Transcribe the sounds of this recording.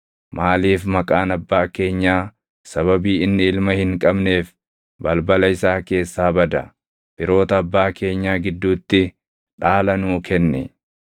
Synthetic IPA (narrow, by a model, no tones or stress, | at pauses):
maːliːfmɐkʼaːnɐbːaːke̞ːɲːaː | sɐβɐbiːɪnːɪɪlmɐhɪŋkʼɐbne̞ːf | bɐlbɐlɐɪsaːke̞ːsːaːbɐd̪ɐ | b̥ɪɾo̞ːt̪ɐːbːaːke̞ːɲːaːɡɪd̪ːuːt̪ːɪ | ᶑaːlɐnuːkʰɛnːɛ̰